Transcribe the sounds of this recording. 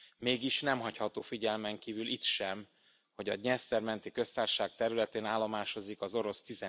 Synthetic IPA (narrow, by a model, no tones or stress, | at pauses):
meːɡiʃnɛmɦɒchɒt̪oːfiɟɛlmɛŋkiːvylit̪ʃɛm | ho̞ɟɒ̰ɲɛst̪ɛrmɛnt̪ikø̞st̪aːrʃaːk̚t̪ɛɾylɛt̪eːnaːlːo̞maːʃo̞zikɒzo̞ɾo̞st̪izɛ